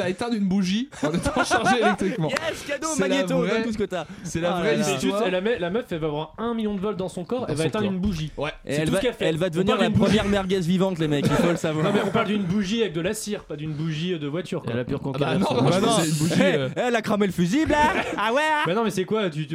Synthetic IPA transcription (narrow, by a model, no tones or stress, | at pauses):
aet̪ɛ̃ynbuʒĩnɛt̪ʃɑ̃ʒelɛk̚t̪χikmɑ̃jɛskad̪omalɲet̪od̪ɛ̃t̪us̬əkət̪asɛlavʁɛsʒust̪lamɛlamœfɛlvaːvwaʁɛ̃miljɔ̃d̪əvɔld̪ɑ̃sɔ̃kɔʁɛlvaet̪ɛ̃d̪ynbuʒiwɛḛsɛɛltuvskɛlfɛɛlvad̪əvəniʁlanpbχəmjɛʁmɛʁɡɛzvivɑ̃t̪lemɛkːifoləsavwaʁnɔ̃mɛɔ̃paʁld̪ynbuʒiavɛk̚d̪əlasiʁpad̪ynbuʒiød̪əvwat̪yʁkwaɛ̰lapyʁkɔ̃t̪añbanɔ̃nbuʒiɛlakχamelfyziblaawɛbanɔ̃mɛsɛkwat̪y